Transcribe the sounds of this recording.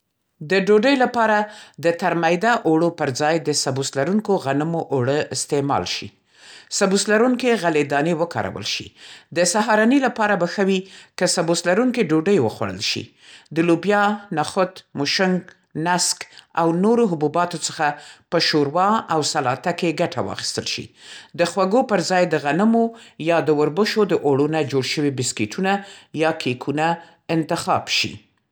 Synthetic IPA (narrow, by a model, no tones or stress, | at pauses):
d̪əɖoɖəjlapɑɾad̪ət̪aɾmajd̪aʔoɽopəɾd͡zɑjd̪əsabuslaɾuŋkoɣanəmoʔoɽəɪst̪emɑ̰lʃḭ | sabuslaɾuŋkeɣaled̪ɑnewəkɑ̰ɾa̰wə̰lʃḭd̪əsaɦɑɾɑnilapɑɾabaxəwikəsabuslaɾuŋkeɖoɖəjwəxwa̰ɽə̰lʃḭ | d̪əlubjɑnaxʊt̪mʊʃʊŋɡ | naska̰wnoɾoɦʊbubɑt̪ot͡sə̥xapəʃoɾwɑawsalɑt̪akeɡaʈʰa̰wɑ̰xi̥st̪əlʃḭd̪əxwaɡopəɾzɑjd̪əɣanəmojɑd̪əwəɾbəʃod̪əʔoɽunad͡ʒoɽʃəwibɪskeʈʰunajɑkʰekʰuna | ɪnt̪ɪxɑ̰bʃḭ